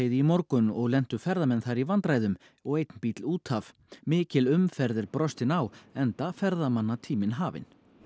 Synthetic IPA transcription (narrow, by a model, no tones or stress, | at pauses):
ejðɪimɔɾkʏnɔɣlɛn̥t̪ʏfɛɾðamɛnθaɾivant̪ɾaːjðʏm | ɔɣejt̪npiːt̪luːt̪hav | mɪːcɪlʏmfɛɾðɪɾpɾɔst̪ɪnawɛnt̪afɛɾðamanːat̪ʰiːmɪnɦaːvɪ̰n